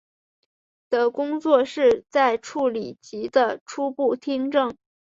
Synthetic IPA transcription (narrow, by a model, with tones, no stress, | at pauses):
t̪ə˧˩kʊ˥ŋt͡swɔ˥˧ʂɻ̩˥˧t͡sa˥˧ɪʈ͡ʂʰu˥˩li˨˩t͡ɕi˧˥d̪ə˧ʈ͡ʂʰu˥pu˥˩t̪ʰi˥ŋʈ͡ʂɤ˥˩ŋ